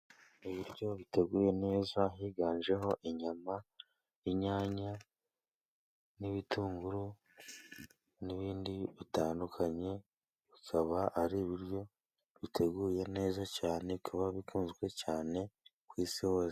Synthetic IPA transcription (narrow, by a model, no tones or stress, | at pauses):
iβiɾɟo̞βite̞ɡuːje̞ne̞ːzaɦiːɡaːnʒe̞ɦo̞ʔiɲama | iɲaːɲa | niβituːŋɡuɾu | niβiːndiβitaːndukʰaɲe̞ | βikʰaβaʔaɾiβiɾjo̞ | βitʰe̞ɡuːje̞ne̞ːzacaːne̞βikʰaβaβikuːnzɡwe̞caːne̞kwiːsiwo̞ːs